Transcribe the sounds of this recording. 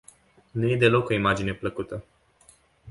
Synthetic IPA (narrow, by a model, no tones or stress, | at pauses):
nuje̞d̪e̞lo̞ko̞imad͡ʒine̞pləkut̪ə